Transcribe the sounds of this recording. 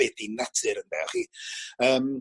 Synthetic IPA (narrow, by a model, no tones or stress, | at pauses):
ɛdinatʰɨɾəndɛ̰χiəːm